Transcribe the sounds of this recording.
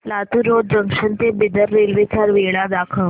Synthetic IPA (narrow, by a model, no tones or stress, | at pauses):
lat̪uɾod̪̚d͡ʑəŋkʂənt̪ebid̪əɾːelʋit͡saɾʋeɭad̪akʰəʋ